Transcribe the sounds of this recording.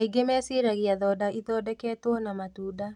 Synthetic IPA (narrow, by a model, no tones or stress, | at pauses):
iɡemɛːseɾaɣiaðɔdaʔiðɔːdɛkɛːtwɔnamatuːda